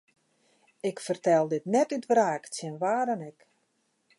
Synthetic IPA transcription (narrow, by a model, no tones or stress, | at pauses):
ɪkfərtɛlˠdɪtnɛtytʋraːksjɛnʋaːɾənɛk